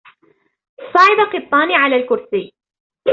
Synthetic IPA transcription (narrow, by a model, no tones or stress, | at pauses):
sˤɑːʕɪbaqɨt̪ˤːɑːniʕalaːlkʊɾsiː